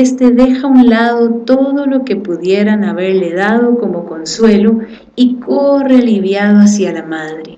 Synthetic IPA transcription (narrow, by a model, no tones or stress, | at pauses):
est̪e̞ðe̞xaunlaðo̞t̪o̞ðo̞lo̞ke̞puðje̞ɾanaβe̞ɾle̞ðaðo̞ko̞mo̞ko̞nswe̞lo | ikore̞liβjaðoas̬jalamaðɾe